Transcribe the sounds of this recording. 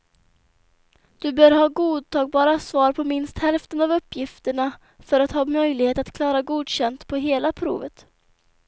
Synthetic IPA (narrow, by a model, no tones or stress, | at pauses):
d̪̥ɵbœːɾɦɑːɡuːd̪̚t̪ʰɑːɡ̚bɑːɾasvɑːɾpʰɔmɪnst̪hɛlft̪ənavɵpːjɪft̪əɳa | fœɾat̪hɑːmœjlɪɡheːt̪at̪kʰlɑːɾaɡuːd̪ɕɛnt̪pʰɔɦeːlapʰɾṵːvət̪